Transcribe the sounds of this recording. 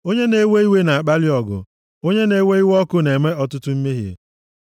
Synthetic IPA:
o˦ɲe˦ne˦we˦i˦we˦na˨a˨k͡pa˦lɪ˦ɔ˨ɡʊ̰˨ | o˦ɲe˦ne˦we˦i˦wɔ˦kʊ˦ne˨me˦ɔ˦tʊ˦tʊ˦m̩˦me˦ɦjḛ˨

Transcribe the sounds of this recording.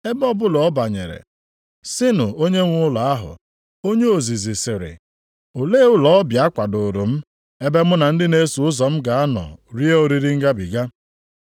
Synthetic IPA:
e˦bɔ˦bʊ˦lɔ˨ɔ˦ba˨ɲe˨ɾḛ˨ | sɪ˦nʊ˨o˦ɲe˦ŋʷʊ˦la˨a˦ɦʊ̰˨ | o˦ɲe˦o˨zi˨zi˨sɪ˨ɾɪ̰˨ | o˨le˦ʊ˦lɔ˦bja˦kʷa˨do˨ɾo˨m̩˦ | e˦be˦mʊ˦na˨n̩˦dɪ˦ne˦su˨ʊ˦zɔ˨m̩˦ɡa˨a˦nɔ̰˨ɾi˦e˦o˦ɾi˦ɾi˦ŋ̩˦ɡa˦bi˨ɡa˦

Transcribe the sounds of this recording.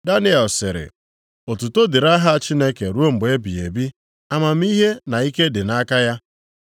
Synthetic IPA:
da˦ni˦ɛ˨sɪ˨ɾɪ̰˨ | o˨tu˨to˦dɪ˨ɾa˦ɦa˦˨t͡ʃi˦ne˦ke˨ɾu˦o˦m̩˨ɡ͡be˦bḭ˨e˨bi˦ | a˦ma˨m̩˦i˦ɦe˦na˨i˦ke˦dɪ˨na˦ka˦ja˦

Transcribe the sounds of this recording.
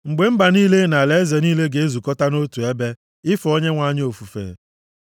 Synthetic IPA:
ŋ͡m̩˨ɡ͡be˨m̩˦ba˨niː˦le˦na˨le˨˦ze˨niː˦le˦ɡe˨e˦zu˨kɔ˦ta˦no˦tu˨e˦be˦ | ɪ˦fo˦ɲe˦ŋʷa˦ɲ˦o˨fu˨fḛː˨

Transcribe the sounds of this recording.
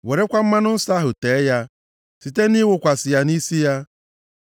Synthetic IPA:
we˨ɾe˦kʷa˦m̩˦ma˦nʊ˦n̩˦sa˦ɦʊ˨teː˨˦ja˦ | si˨te˦ni˦wʊ˨kʷa˨sɪ˨ja˨ni˦si˦ja˦

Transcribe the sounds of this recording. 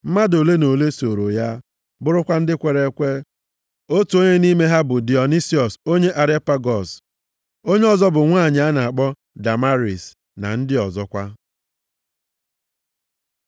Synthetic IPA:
m̩˦ma˦do˨le˦no˨le˦so˨ɾo˨ja˦ | bʊ˦ɾʊ˦kʷa˦n̩˦dɪ˦kʷe˨ɾe˨˦kʷe˦ | o˦tu˨o˦ɲe˦ni˦me˦ɦa˦bʊ˨di˨ɔ˨ni˦si˦ɔ˨so˦ɲe˦ʔa˨ɾe˦pa˦ɡɔ˨s | o˦ɲe˦ɔ˨zɔ˦bʊ˨ŋʷaː˦˨ɲɪ˨a˦na˨a˨k͡pɔ˦ | da˨ma˦ɾi˨s | na̰˨n̩˦dɪ˦ɔ˨zɔ˦kʷa˦

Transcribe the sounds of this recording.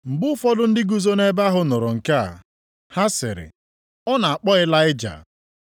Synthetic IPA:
ŋ͡m̩˨ɡ͡bʊ˦fɔ˦dʊ˦n̩˦dɪ˦ɡu˦zo˦ne˦ba˦ɦʊ˦nʊ˨ɾʊ˨ŋ̩˨ka̰˦˨ | ha˦sɪ̰˨ɾɪ̰˨ | ɔ˦na˨a˨k͡pɔ˦ɪ˦la˦ɪ˦d͡ʒa̰˨

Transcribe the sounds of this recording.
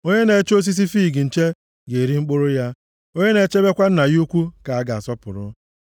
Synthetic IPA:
o˦ɲe˦ne˨˦t͡ʃo˦s̬i˦s̬i˦fiː˦˨ɡɪ˨n̩˨t͡ʃe˦ | ɡe˨ɾi˦ŋ͡m̩˦k͡pʊ˦ɾʊ˦ja˦ | o˦ɲe˦ne˨˦t͡ʃe˦be˦kʷa˦n̩˦na˨ɣu˦kʷu˦ka˨a˦ɡa˨a˨sɔ˦pʊ˨ɾʊ̰˦

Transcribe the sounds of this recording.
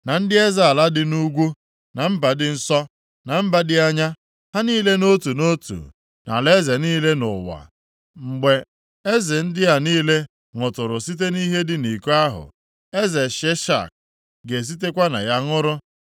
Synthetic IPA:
na˨n̩˦dɪ˦e˦za˨a˨la˦dɪ˨nu˦ɡʷu˦ | na˨m̩˦ba˨dɪ˦n̩˦sɔ˦ | na˨m̩˦ba˦dɪ˦a˦ɲa˦ | ha˦niː˦le˦no˦tu˨no˦tṵ˨ | na̰˨le˦ze˨niː˦le˦nʊ̰˨wa̰˨ | ŋ͡m̩˨ɡ͡be˨ | e˦zɪ˨n̩˦dɪ˦a˨niː˦le˦ | ŋʊ˨tʊ˨ɾʊ˨si˦t̬e˦ni˦ɦe˦dɪ˦ni˨ku˦a˦ɦʊ̰˨ | e˦ze˨ʃe˦ʃa̰˦˨k̚ | ɡe˨s̬i˦t̬e˦kʷa˦na̰˨ja˦ŋʊ˦ɾʊ˦

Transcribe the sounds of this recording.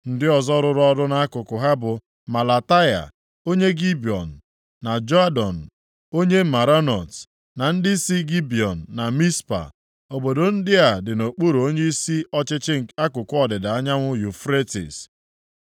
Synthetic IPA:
n̩˦dɪ˦ɔ˨zɔ˦ɾʊ˨ɾɔ˦dʊ˦na˦a˦kʊ˨kʊ˨ɦa˦bʊ˨ | ma˨la˨ta˦ja̰˨ | o˦ɲe˦ɡi˦bi˨ɔ˨n̩ː˨ | a˨d͡ʒɔ˦a˦dɔ˨n̩˨ | o˦ɲe˦ma˨ɾa˦nɔ˨t | na˨n̩˦dɪ˦si˦ɡi˦bi˨ɔ˨n̩ː˨a˨mi˦spa̰˨ | o˨bo˨do˨n̩˦dɪ˦a˨dɪ˨no˨k͡pu˦ɾo˦ɲe˦i˦si˦ɔ˦t͡ʃɪ˦t͡ʃɪ˦ŋ̩˨a˦kʊ˨kʊ˦ɔ˨dɪ˨da˨a˦ɲa˦ŋʷʊ˦ju˨fɾe˦tḭ˨s

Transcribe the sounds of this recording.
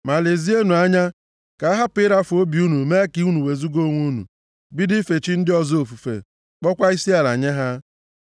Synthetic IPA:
ma˨le˨zi˦e˦nu˨a˦ɲa˦ | ka˨a˦ɦa˦pɪ˦ɾa˦fo˦bi˨˦u˦nu˨me˦ki˦u˦nu˨we˨zu˦ɡo˦˨˦ŋʷu˦nṵ˨ | bi˦dɪ˦fe˨t͡ʃi˦n̩˦dɪ˦ɔ˨zo˨fu˨fḛ˨ | k͡pɔ˦kʷa˦i˦si˦a˨la̰˨ɲe˦ɦa˦

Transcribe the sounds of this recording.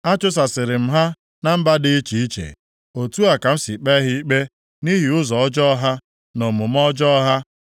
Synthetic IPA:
a˦t͡ʃʊ˦s̬a˨sɪ˨ɾɪ˨m̩˦ɦa˦ | na˦m̩˦ba˦dɪ˦i˦t͡ʃi˨i˦t͡ʃḛ˨ | o˨tu˦a˨ka˨m̩˦si˨k͡pe˦ɦi˦i˦k͡pe˦ | ni˦ɦi˨ʊ˦zɔ˨ɔ˦d͡ʒɔ˦ɦa˦ | no˨mʊ˨m̩˦ɔ˦d͡ʒɔ˦ɦa˦

